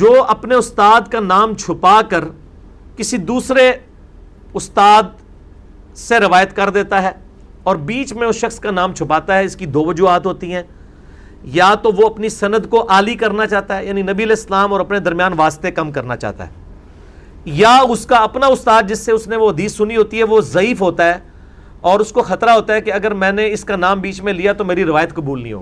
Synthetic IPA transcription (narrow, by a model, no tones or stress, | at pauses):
d͡ʒoːɐpneʊst̪aːd̪kanaːmt͡ʃʰʊpakəɾ | kɪsid̪uːsɾe | ʊst̪aːd̪̚ | seɾɪʋaːjət̪kɐɾd̪eːt̪aɦɛː | ɔːɾbiːt͡ʃmẽʊsʃɐxskanãːmt͡ʃʰʊpaːt̪aɦɛɪskid̪oːʋəd͡ʒuːaːt̪ɦoːt̪iɦɛ̃ː | jat̪oʋoɐpnisɐnəd̪koʔaːlikɐɾnat͡ʃaːɦt̪aɦɛjaːninɐbiɐleːslaːmɔːɾɐpned̪ɐɾmjaːnʋaːst̪ekɐmkɐɾnat͡ʃa̰ːt̪a̰ɦɛ̰ː | jaʊskaɐpnaʊst̪aːd̪̚d͡ʒɪsːeʊsneʋoɦɐd̪iːsːʊniɦoːt̪iɦɛʋozɐiːfɦoːt̪aɦɛː | ɔːɾʊskoxɐt̪ɾaɦoːt̪aɦɛkeɐɡəɾmɛ̃ːneɪskanaːmbiːt͡ʃmẽlijat̪omeːɾiɾɪʋaːjət̪kɐbuːlnḭ̃ɦo̰ːɡ